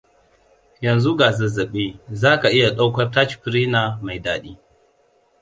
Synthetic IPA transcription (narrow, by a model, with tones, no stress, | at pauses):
jɐ˨nzu˦ɡaː˨zɐ˨zɐ˨ɓe˦zaː˦ka˨ʔɪ˦ja˨ɗa˦wkʷɐ˦rta˦t͡ʃpɾiː˦na˨ma˨jdaː˦ɗiː˦